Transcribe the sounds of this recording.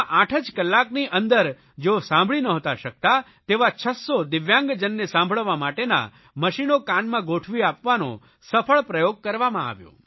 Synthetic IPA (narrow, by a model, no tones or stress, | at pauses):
ʔaʈʰəd͡ʒkəlːakniʔənd̪əɾ | d͡ʒeosãmbʱɭinəɦət̪aʃək̚t̪a | t̪eʋat͡ʃʰəsːod̪ɪʋjãŋɡd͡ʒənːesãmbʱəɭəʋamaʈena̰ | məʃinokanmãɡoʈʰʋiapʋanõ̰ | səfʰəɭpɾəjoɡ̚kəɾʋamãa̰ʋjo̰